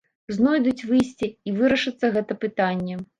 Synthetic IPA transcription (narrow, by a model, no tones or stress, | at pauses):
znɔjd̪ut͡sʲvɨjsʲt͡sʲiivɨɾɐʂɐt̪sːɐɣɛt̪ɐpɨt̪anʲːɛ